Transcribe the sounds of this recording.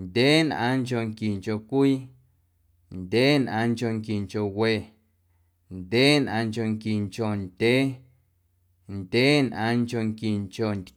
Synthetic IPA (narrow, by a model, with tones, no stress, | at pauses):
ndʲeː˦nʔã̰ː˧ŋko˧ŋki˨ŋko˨kʷiː˦ | ndʲe˦nʔã̰˧ŋko˧˨ŋki˨ŋko˨we˨ʔ | ndʲe˦nʔã˧ŋko˧ŋki˨ŋt͡ʃo˨nd̥ʲe˦ | ndʲe˦nʔã̰˧ŋko˧˨ŋki˨ŋt͡ʃo˨ndʲ